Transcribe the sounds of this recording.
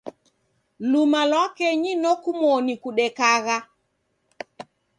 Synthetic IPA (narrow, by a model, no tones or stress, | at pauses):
lumalwakɛɲinɔkumwɔnikuɗɛkaɣa